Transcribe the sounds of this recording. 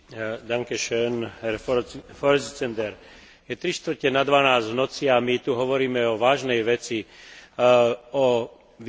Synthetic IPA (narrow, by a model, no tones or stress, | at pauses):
d̪aŋkɛʃɛnffɔɾzt͡sɛnd̪ɛɾ | jɛt̪ɾiʃt̪ʋ̩cɛnad̪ʋanaːzɟʋnɔt͡siamit̪uɦɔʋɔɾiːmɛɔʋaːʒnɛjʋɛt͡si | ɔ | ʋ